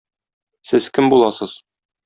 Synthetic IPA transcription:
sɘzkɘmbulˠɑsɤz̥

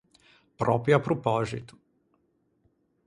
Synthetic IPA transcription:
pɾɔ̰piapɾupɔʒḭt̪u̥

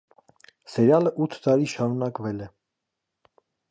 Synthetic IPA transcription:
sɛɾjɑləʔut̪ʰːt̪ɑɾiʃɑɾunɑkvɛlɛ

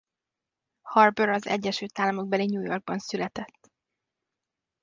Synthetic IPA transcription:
hɒrbøɾɒzɛ̰ɟːɛʃyːlt̪aːlːɒmo̞ɡ̚bɛliɲuːjorɡ̚bɒnsylɛt̪ɛt̪ː

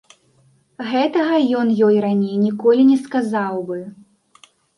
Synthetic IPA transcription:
ɣɛt̪ɐɣɐjɔnjɔjranʲejnʲikɔlʲinʲɛskazawbɨ

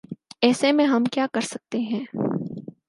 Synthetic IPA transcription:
ɛːsemẽɦɐmkjaːkɐɾsɐk̚t̪eɦɛ̃ː

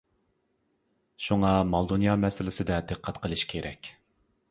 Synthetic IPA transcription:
ʃuŋɑmɑlˠd̪onjɑmɛsɪlɪsɪd̪ɛd̪ɨqʰːɛt̪qʰəlˠɨʃkʲʰeɾʔɛ̰kʲ

